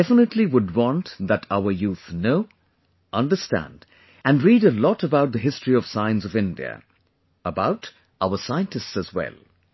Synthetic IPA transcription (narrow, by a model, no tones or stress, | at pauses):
ɛfənətʰˡliwʊd̚wɑ̃ntðətʰaʊə˞juθnoʊ | ʔʌ̃ndəstæ̰̃nd | æ̃nɹiːɾəlɔtəbaʊt̪̚ðəɦɪstɹ̥iʌv̥sãɪɨ̃nsʌvɪ̃ndḭə̰ | əbaʊt | ʔaʊəsaɪə̃ntɨstsəzwɛ̰lˠ